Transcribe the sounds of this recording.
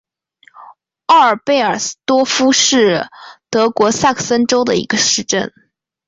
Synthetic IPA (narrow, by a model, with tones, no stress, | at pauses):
ɑ˥˩ə˞˨˩pe˥˩ɪə˞˨˩t̪wɔ˥fu˥ʂɻ̩˥˩t̪ɤ˧˥kwɔ˧˥sa˥˩kʰə˨˩sə˥nʈ͡ʂo˥ʊd̪ə˨ḭ˧˥ɡə˧ʂɻ̩˥˧ʈ͡ʂə̰˥˩n